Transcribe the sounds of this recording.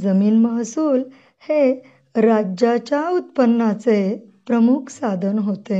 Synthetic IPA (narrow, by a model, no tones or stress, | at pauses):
d͡zəmiːnməɦsuːl | he | ɾad͡ʑat͡ɕjaut̪̚pənːat͡sepɾəmukʰsad̪ʱənɦot̪e